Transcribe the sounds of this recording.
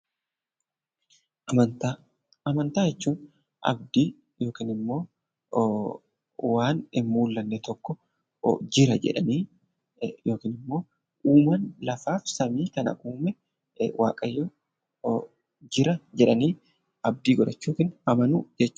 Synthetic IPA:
ɐnt̪a | ɐmɐnt̪aːd͡ʒɛt͡ʃːuːn | ʔɐ̰b̚d̪iː | jo̞ːkiːnɪmːo̞ː | waːnɪmːuːlːɐnːɛt̪ɔkːɔ̰ | d͡ʒɪɾɐd͡ʒɛ̰ᶑɐ̰niː | jo̞ːkiːnɪmːo̞ː | ʔuːmɐnlɐfaːfsɐmiːkɐnɐ̰ʔuːmɛ | wʔa̰ːkʼɐjːɔ | d͡ʒɪɾɐd͡ʒɛᶑɐniː | ɐb̚d̪iːɡɔɾɐt͡ʃːuːkɪnɐmɐnud͡ʒɛt͡ʃː

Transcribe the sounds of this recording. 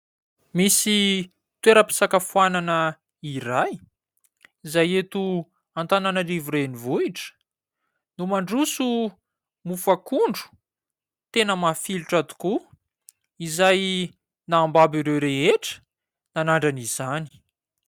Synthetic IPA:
misi | t̪weɾəpi̥sakafuananə | iɾaj | izajet̪u | ant̪ananalivuɾenivuiʈ͡ʂə̥ | numaɳɖ͡ʐusu | mufakuɳɖ͡ʐu̥ | t̪enəmafiluʈ͡ʂat̪u̥ku | izaj | naːmbabiɾewɾeɦeʈ͡ʂə̥ | nanaɳɖ͡ʐaniz̥ani̥

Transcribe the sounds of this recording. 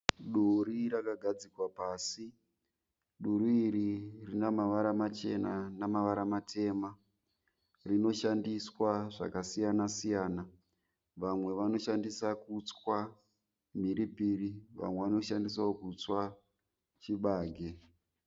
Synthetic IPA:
ɗuɾiɾakaɡʱad͡zikwapaːsi | ɗuɾiiɾirinamaʋaɾamat͡ʃe̞nanamaʋaɾamatʰe̞ma | rino̞ʃandiswaʐa̰kasijanasijaːna | ʋamwe̞ʋano̞ʃandisakut͡swa | miɾipiːriʋa̰mwe̞ʋano̞ʃandis̬aokut͡swa | t͡ʃiɓaːɡʱe

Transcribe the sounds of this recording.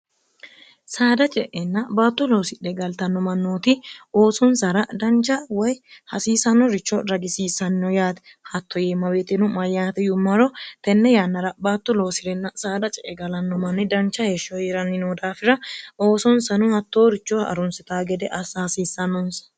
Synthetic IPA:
saːd̪ɐt͡ʃʼɛʔɛnːɐbaːt̪ːʊlo̞ːsɪɗɛɡɐlt̪ɐnːɔmɐnːoːt̪ɪoːsɔnsɐɾɐd̪ɐnt͡ʃːɐwɐjhɐsiːsɐnːɔɾɪt͡ʃːɔɾɐɡɪsiːsɐnːɔjaːt̪ɛ̥ | hɐt̪ʰːɔjeːmːɐbeːt̪ɛnʊmɐjaːt̪ɛjʊmːɐɾɔt̪ɛnːɛjaːnːɐɾɐbaːt̪ːʊlo̞ːsɪɾɛnːɐsaːd̪ɐt͡ʃʼɛʔɛɡɐlɐnːɔmɐnːɪd̪ɐnt͡ʃːɐheʃːɔjɛɾɐnːɪnoːd̪aːfɪɾɐoːsɔnsɐnʊhɐt̪ːoːɾɪt͡ʃːɔɐ̰ɾɔnsɛt̪aːɡɛd̪ɛʔɐsɐhɐsiːsːɐnːɔnsɐ̥

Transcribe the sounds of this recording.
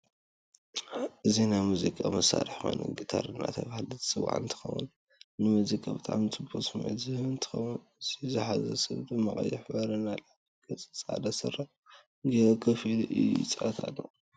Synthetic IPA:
ʔɨzinajmuzikʼamɐsaɾiħmɐnɨ̰ɡɨt̪ʰaɾɨnːa̰t̪ʰɐβahlɨt̪sɨwːa̰ʕɨnt̪ʰɨ̥xɐ̰wṵn | nɨmɨzikʼabɨt̪ʼa̰ʕmit͡sʼɨbosmɐ̰zɨhɨɨnt̪ʰɨ̥xɐwunɨz̥izɨħazɐsɐβt̪umɐχʼɐ̰jːɪħbɐɾɨnːalaʕtiɡʼɐt͡sʼɨt͡sʼa̰d̪ɐsɨra | ɡiokʰɐfilʔɨjṵt͡sʼat̪ʰalːo

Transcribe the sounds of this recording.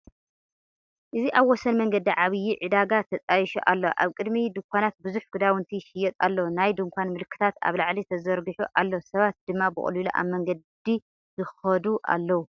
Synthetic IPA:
ʔɨziʔaβwɔsɐnmɐŋɡɐd̪iʕaβɨjːiʕɨd̪aɡat̪ʰːɐt̪ʼajiʃuʔalːoʔaβkʼɨd̪mid̪ɨŋkʷʰanat̪̚bɨzuħɡ̥ɨd̪awɨnt̪ʰiʃɪjɛt̪ʼa̰lːɐwunajd̪ɨŋkʷʰanmɨlkʰːɨ̥t̪ʰat̪a̰βlaʕlit̪ʰɐzɐɾɡɨħuʔalːosɐβat̪̚d̪̥ɨmːabɨ̰χʼliloʔa̰βmɐŋɡɐdd̪i | zɨxɐd̪uʔa̰lːɐwu

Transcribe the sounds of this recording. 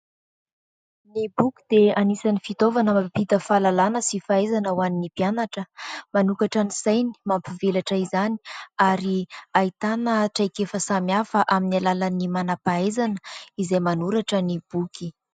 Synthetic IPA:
nibukʲi̥d̪eanisanifit̪ovanəmapit̪əfalalanəsifaezanəwaninipjanaʈ͡ʂəmanukaʈ͡ʂanisajni̥mampivelaʈ͡ʂəizani̥aɾiait̪anəʈ͡ʂajkefəsamjafəʔaminalalənimanapaezanəizajmanuɾaʈ͡ʂənib̥uki

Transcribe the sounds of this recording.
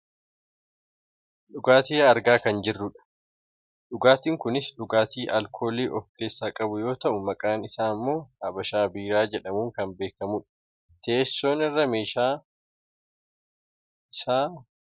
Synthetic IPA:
ᶑʊɡaːt̪iːɐɾɡaːkɐnd͡ʒɪrːʊᶑɐ̥ | ᶑʊɡaːt̪iːŋkʊnɪsᶑʊɡaːt̪iːʔɐlkʰo̞ːliːʔɔfke̞ːsːaːkʼɐbʊjo̞ːt̪ɐʔʊmɐkʼaːnɪsaːmːo̞ːɐbɐʃaːbiːɾaːd͡ʒɛᶑɐmuːŋkɐmbe̞ːkɐmʊᶑɐ̥ | t̪eːsːoːnɪrːɐme̞ːʃaː | ɪsaː

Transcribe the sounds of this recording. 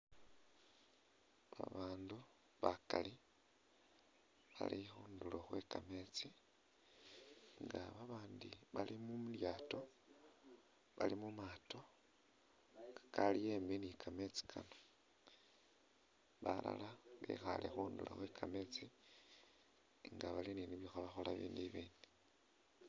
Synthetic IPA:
βa̰βaːndu | βakali | βa̰lixuːnduloxwe̞kame̞t͡si | ŋɡaβaβaːndiβalimumuljaːto̞ | βalimumaːto̞ | kḁkalijeːmbinikʰame̞t͡si̥kʰano | βala̰laβḛxalḛxuːndulo̰xwekʰame̞t͡si | ŋɡaβalininiβixoβaxolaβḭːndiβiːndi

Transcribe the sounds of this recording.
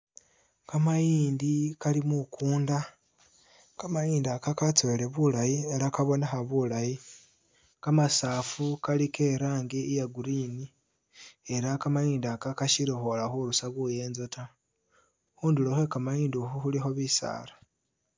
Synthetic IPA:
kamajiːndikalimukuːnda | kamajiːndakakat͡sole̞βulajieɾakaβo̞nexaβulaji | kamasaːfukalikʰe̞ɾaːŋɡeijaɡuɾini | e̞ɾakamajiːndakakaʃiɾixolaxuɾusaɣuje̞ːnzotʰa | xuːnduloxe̞kamajiːndioxuxulixo̞βisa̰ːlḁ

